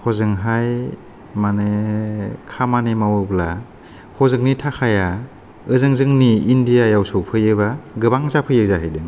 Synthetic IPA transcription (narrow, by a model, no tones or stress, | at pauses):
kʰɔzɯŋɦaj | mane | kʰamanemawɯbla | kʰɔzɯŋnitʰakʰaja | ɯzɯŋzɯŋniːndijajawsɔwpʰɯjɯbaɡɯbaŋzapʰɯjɯzaɦɯjdɯŋ